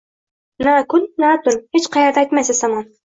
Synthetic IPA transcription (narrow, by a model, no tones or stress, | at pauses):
nakʊnːat̪ʊnhet͡ʃqʰɑjaɾd̪aajt̪majsɪzamɑn